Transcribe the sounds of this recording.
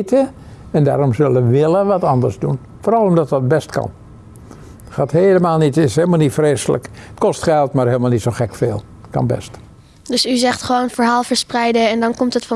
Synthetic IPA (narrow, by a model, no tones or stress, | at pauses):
tə | ɛnda̰ːɾɔmzølˠəʋɪləʋɑtɑndərzdun | foːɾɑlˠɔmdɑtʋɑt̚bɛstkɑ̰n | χaːtheːləmaːlˠnitɪsheːlˠmalˠnitfreːsələ̰kətkɔstχɛlˠtmarɦeːlˠmalˠnitsoxɛkfeːlˠ | kɑ̰nbɛ̰st | døsyzɛχtχəʋownfəɹɦaːlˠfəɹsprɛjdəɛndɑnkɔmtətfɑ